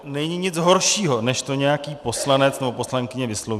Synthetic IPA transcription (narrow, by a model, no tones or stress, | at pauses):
nɛɲɪɲɪt͡sɦo̞ɾʃiːɦo̞nɛʃt̪o̞ɲɛjakiːpo̞slanɛt͡snɛbo̞po̞slaŋkɪɲɛvɪslov